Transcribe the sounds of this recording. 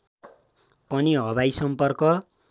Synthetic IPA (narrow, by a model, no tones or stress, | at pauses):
pʌniɦʌβajsʌmpʌrkʌ